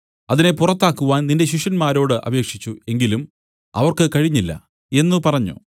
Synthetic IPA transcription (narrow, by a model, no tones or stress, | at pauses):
ɐðine̞purɐt̪ːaːkːuʋaːnninde̞ɕiʂɐnmaːɾo̞ːɽɨʔɐ̰be̞ːkʂit͡ɕːue̞ŋɡilum | ɐ̰ʋɐrkɨkɐɻiɲːilːɐ̰ | e̞nːɨpɐrɐɲːṵ